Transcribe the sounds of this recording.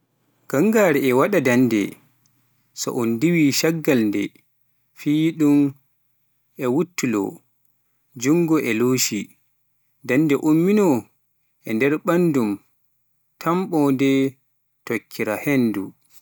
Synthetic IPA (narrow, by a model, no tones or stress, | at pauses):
ɡ̥aŋɡaːɾɛɛwaɗadandɛ̰ | sɔ̰ʔɔndiwiʃaɡːalndɛ̰ | fiːɗum | ʔɛwutːulɔ̰ | d͡ʒuŋɡɔʔɛloːʃi | dandɛʔumːinɔ | ʔɛndɛɾɓandum | tʰamɓɔndɛ | tokʰːiɾahendu